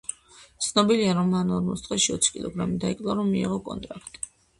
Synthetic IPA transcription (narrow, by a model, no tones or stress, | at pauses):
t̪sʰnɔbiliaɾɔmːanɔɾmɔst̪ʼχʼɛʃiɔ̰t̪sʰi̥kʼilˠɔ̰ɡɾamid̪aikʼlˠaɾɔmːiḭʁɔkʼɔ̰nt̪ʼɾakʰt̪ʼi̥